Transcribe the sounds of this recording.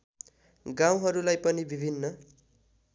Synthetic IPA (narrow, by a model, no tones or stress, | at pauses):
ɡãw̃ɦʌɾulajpʌnibibʱinːʌ